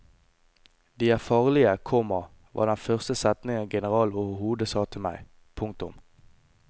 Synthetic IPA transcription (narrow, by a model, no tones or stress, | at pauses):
d̪iːæːfɑːʁlɪəkʰɔmə | ʋɑ̰ːd̪ɛnfœʁst̪əsɛt̪nɪŋənɡɛnəʁɑːloːhəhuːd̪əsɑːt̪ʰɪlmæ̰ɪ | pʰʊŋkt̪ʊ̰m